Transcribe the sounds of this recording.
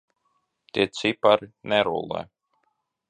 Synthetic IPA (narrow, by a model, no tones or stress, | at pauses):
t̪ʲiɛt̪sipaɾnɛɾṵlˠɛ̰